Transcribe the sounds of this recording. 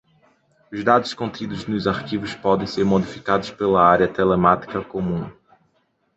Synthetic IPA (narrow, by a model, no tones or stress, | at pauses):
ʊzd̪ad̪ʊʃkõnt̪id̪ʊznʊzaɾkivʊspɔd̪ẽj̃seɾmod̪ifikad̪ʊspelɐaɾjɐt̪elemat̪i̥kɐkomũ